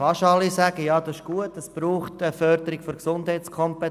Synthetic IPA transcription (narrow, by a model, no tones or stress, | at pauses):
ɑʃɑlːisæɡ̥əjɑːd̥ɑsɪʃɡ̥uətəsb̥ɾuːχtəfœrd̥̪əɾɪɡ̥fɔɾksʊnd̥hɛɪt͡skʰɔmpɛ